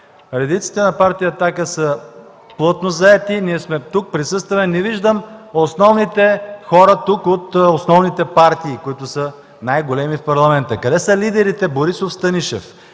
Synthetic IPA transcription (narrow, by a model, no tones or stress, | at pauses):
ɾɛd̪it̪si̥t̪ɛnɐpaɾt̪ijət̪akəsə | plˠɤt̪nozɐɛt̪iniɛsmɛt̪uk̚pɾisɤst̪vɐmɛnɛviʒd̪əmosnɔvnit̪ɛxɔɾət̪ukot̪osnɔvnit̪ɛpaɾt̪iːkoit̪ʊsə | najɡolɛmifpɐɾlˠɐmɛnt̪əkɐd̪ɛsəlid̪ɛɾit̪ɛboɾisofst̪ɐniʃɛ̰f